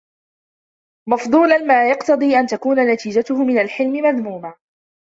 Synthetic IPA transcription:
mɑfd̪ˤuːlanmaːjɑqt̪ɑd̪ˤiːʔant̪akuːnanat̪iːd͡ʒat̪ʊhʊmɪnalħɪlmɪmaðmuːma

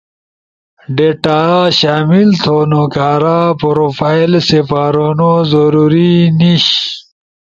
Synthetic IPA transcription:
ɖeʈaːɕaːmilt̪ʰonokaːɾapoɾofailsefaːɾonozoɾuɾiniɕ

